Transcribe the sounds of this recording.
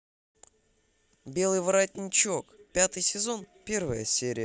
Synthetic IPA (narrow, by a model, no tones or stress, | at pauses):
bʲe̞lˠɨjvɾatʲnʲɪt͡ɕokpʲat̪ɨjsʲɪzo̞n | pʲe̞rvəjə̰sʲeɾʲɪjə